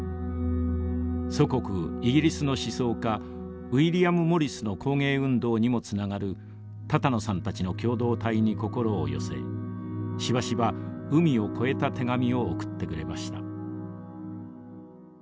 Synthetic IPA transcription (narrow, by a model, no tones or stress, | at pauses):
so̞ko̞kɯ̟iɡʲiɾʲisɨno̞ɕiso̞ːka | ɯ̟iɾʲiamɯ̟mo̞ɾʲisɨno̞kʰo̞ːŋe̞ːɯ̟̃nd̪o̞ːɲ̟imo̞t͡sɨnaɡaɾɯ̟ | t̪at̪ano̞sãnt̪at͡ɕino̞kʲo̞ːd̪o̞ːt̪aiɲ̟iko̞ko̞ɾo̞̰ːjo̞̰se̞̰ | ɕiβaɕiβaɯ̟mʲio̞kʰo̞e̞t̪at̪e̞ɡamʲio̞ːkɯ̟̥t̪ːe̞kɯ̟ɾe̞maɕi̥t̪a